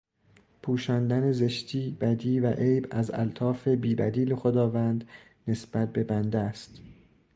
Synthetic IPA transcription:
pʰuːʃɒːnd̪æneze̞ʃt̪ʰiːb̥æd̪iːvæʔejbæzæ̰lt̪ʰɒːfe̞biːbæ̰d̪iːlexo̞d̪ɒːvænd̪ | ne̞sb̥æt̪̚be̞bænd̪eæst̪

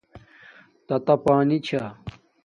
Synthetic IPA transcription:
t̪ɐt̪ɐpaːnit͡ɕʰa

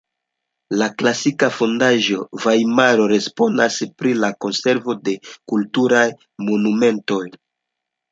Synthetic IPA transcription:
laklasikafo̞ndaʒo̞vajmaɾo̞ɾe̞spo̞naspɾilako̞nse̞ɾvo̞de̞kultuɾaj | mo̞nume̞nto̞j

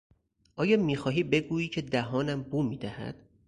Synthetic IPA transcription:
ʔɒːjɒːmiːxɒːɦiːbe̞ɡuːiːcʰe̞d̪æɦɒːnæmbuːmiːd̪æhæ̰d̪̥

